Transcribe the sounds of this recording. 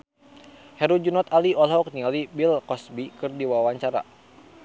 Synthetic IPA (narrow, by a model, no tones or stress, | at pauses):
hɛɾud͡ʒunɔt̪aliɔlɦɔk̚nialibilkɔsbikɨrdiwawaɲt͡ʃaɾa̰